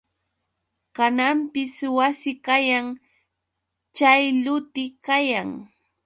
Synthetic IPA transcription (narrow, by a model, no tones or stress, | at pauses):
kanampɪswasɪkajaŋ | t͡ʃajlʊt̪ɪkajaŋ